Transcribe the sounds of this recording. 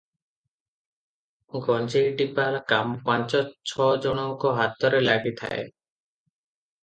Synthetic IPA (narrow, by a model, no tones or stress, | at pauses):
ɡɔnd͡ʒejʈipalkampant͡ʃɔt͡ʃʰɔd͡ʒɔɽ̃ɔŋkɔɦat̪ɔɾelaɡit̪ʰa̰ḛ